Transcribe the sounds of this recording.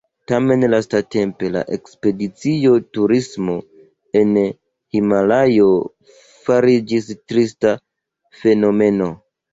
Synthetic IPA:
tame̞nlastate̞mpe̞la̰ʔekspe̞dit͡sio̞tuɾismo̞ | e̞n | himalajo̞ | faɾid͡ʒistɾista | fe̞no̞me̞no̞

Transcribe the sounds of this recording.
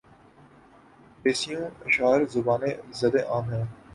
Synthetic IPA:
peːsijũːɪʃaːɾzʊbaːnẽzɐd̪ẽːʔãːmɦɛ̃ː

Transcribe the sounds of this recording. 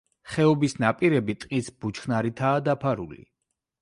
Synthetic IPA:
χɛɔbisnapʼiɾɛbit̪ʼqʼisb̥ut͡ʃʰχnaɾit̪ʰaːd̪apʰaɾṵlḭ

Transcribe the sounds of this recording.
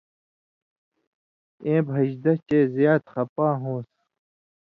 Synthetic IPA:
ẽːbʱɐɕd̪ɐt͡ɕeːzjaːt̪xɐpãːɦõːs

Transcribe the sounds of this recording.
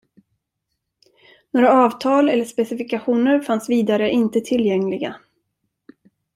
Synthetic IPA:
noːɾaɑːvt̪ʰɑːlɛlːəʂpɛsɪfɪkaɧuːnəɾfansviːd̪aɾəʔɪnt̪ət̪ʰɪlːjɛŋlɪɡa

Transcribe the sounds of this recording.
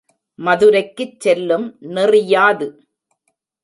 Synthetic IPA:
mɐðɯɾɐɪkːɯt͡ʃsɛlːɯmnɪrɪjaːðɯ

